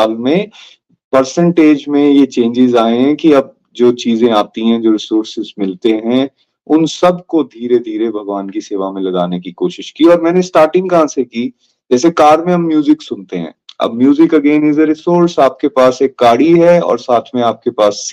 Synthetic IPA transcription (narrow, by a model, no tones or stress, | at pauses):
aːlmẽ | pɐɾsə̃ɳʈeːd͡ʒmẽjet͡ʃẽːɲd͡ʒɪzaːẽɦɛ̃kiɐb̚ | d͡ʒoːt͡ʃiːzẽaːt̪iɦɛ̃d͡ʒoːɾɪsoːɾsɪzmɪlt̪eɦɛ̃ | ʊnsɐbkod̪ʱiːɾed̪ʱiːɾebʱɐɡʋaːnkiseːʋamẽlɐɡaːnekikoːʃɪʃkiɔːɾmɛ̃ːnesʈaːɾʈɪ̃ŋɡkɐɦãːseki | d͡ʒɛːsekaːɾmẽɦɐmːjuːzɪksʊnt̪eɦɛ̰̃ːɐ̰bmjuːzɪkɐɡẽːnɪzəɾɪsoːɾsaːp̚kepaːseːkːaːɽiɦɛɔ̰ːɾsaːt̪ʰmẽaːp̚kepaːs